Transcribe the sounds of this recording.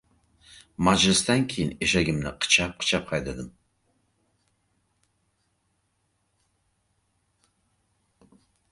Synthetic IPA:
mad͡ʒlɨst̪aŋkʲʰejɪneʃaɡʲɪmnɨqʰə̥t͡ʃʰap̚qʰə̥t͡ʃʰap̚qʰɑjd̪ad̪ɨm

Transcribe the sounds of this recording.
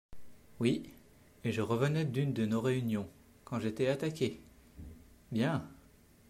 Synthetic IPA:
wi | eʒəʁəvənɛd̪ynd̪ənoʁeynjɔ̃ | kɑ̃ʒet̪ɛat̪akʲe | bjɛ̃

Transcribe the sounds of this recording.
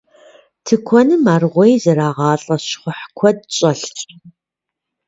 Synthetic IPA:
tʰɨkʷʰɔnɨmaːrʁʷejzɨɾaːʁɑːɬʼɐɕχʷʊħkʷʰɔd̚ɕʼɐɬtʼ

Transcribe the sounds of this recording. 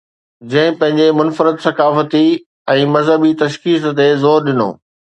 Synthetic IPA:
d͡ʑɐ̃ɦɪ̃pɐ̃ɦɪ̃ɲd͡ʑemʊnfəɾəd̪sɐkaːfət̪i | ɛ̃ːmɐzɦəbit̪ɐʃkiːst̪ezoːɾɗɪno̰ː

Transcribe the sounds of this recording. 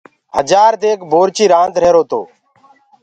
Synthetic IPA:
ɦəd͡ʒaːɾd̪eːkbʱoːɾt͡ʃiːɾãːnt̪ɾeːɾoːt̪o̰ː

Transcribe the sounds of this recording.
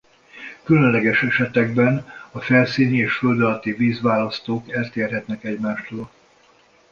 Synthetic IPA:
kylønlɛɡɛʃɛʃɛt̪ɛɡ̚bɛnɒfɛlsiːnieːʃføld̪ɒlɒt̪iviːzʋaːlɒst̪oːkɛlt̪eːrɦɛt̪nɛkɛɟmaːʃt̪oːl

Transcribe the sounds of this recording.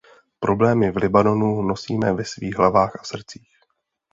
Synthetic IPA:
pɾʔo̞blɛːmɪvlɪbano̞nuno̞siːmɛvɛsvḭːɣɦlavaːxasr̩t͡siːx

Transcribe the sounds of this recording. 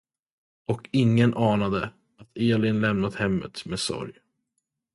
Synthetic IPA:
ɔkɪŋːənʔɑːnad̪ə | at̪ʰeːlɪnlɛmnad̪hɛmːə̰t̪meːsɔ̰ɾj

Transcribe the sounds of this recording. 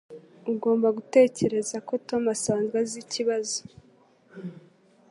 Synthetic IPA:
uɡo̞ːmbaɡute̞ːce̞ɾe̞zako̞to̞masaːnzɡaziciβazo̥

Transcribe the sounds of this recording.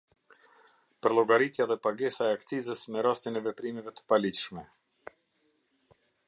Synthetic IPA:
pəɾlˠɔɡaɾit̪jaðɛpaɡɛsaɛakt͡sizəsmɛɾast̪inɛvɛpɾimɛvɛt̪ə̥palitʃmɛ

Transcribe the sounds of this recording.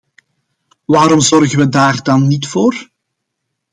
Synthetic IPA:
ʋaːɾɔmzɔrɣənʋədaːrdɑnːitfoːr

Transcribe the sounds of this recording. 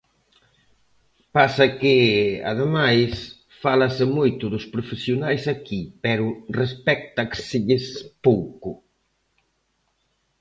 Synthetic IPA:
pasɐkɪa̰ðemajs | falɐsɪmojt̪ʊðʊspɾofesjonajsakipɛɾʊrespɛk̚t̪ɐksɪʎɪspowkʊ

